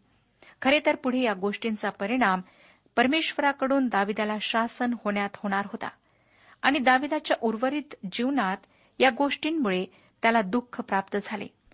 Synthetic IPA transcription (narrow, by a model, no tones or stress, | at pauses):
kʰəɾet̪əɾpuɽ̤ejaɡoʂʈint͡sapəɾiɽ̃am | pəɾmeɕʋəɾakəɽuːnd̪aʋid̪alaɕasənhoɳjat̪hoɽ̃aɾɦot̪a̰ | aɽ̃id̪aʋid̪at͡ɕjaʔuɾʋəɾiːt̪d͡ʑiʋnat̪ | jaɡoʂʈiːnmuɭe | t̪jalad̪ukʰəpɾapt̪əd͡zʱalḛ